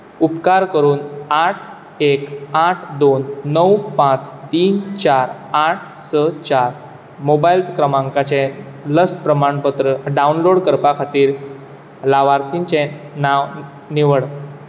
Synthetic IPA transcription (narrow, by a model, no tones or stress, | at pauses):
upkaɾkəɾuːnaʈʰ | ekaʈʰd̪onːəwpãt͡st̪iːnt͡ɕaɾ | aʈ̚ʰsət͡ɕaɾ | mobailt̪kɾəmãŋkat͡ɕɛ̃ | ləspɾəmaɳpət̪ɾəɖaunloɽkəɾpakʰat̪iːɾ | laʋaɾt̪ʰint͡ɕɛ̃naʋ | niʋəɽ